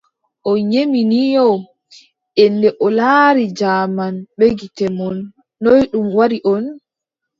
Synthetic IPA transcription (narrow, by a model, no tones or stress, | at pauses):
ʔɔɲeminijɔ | ʔɛndɛʔɔlaɾid͡ʒamanɓeɡitɛmɔnː | ojɗumwaɾiʔɔn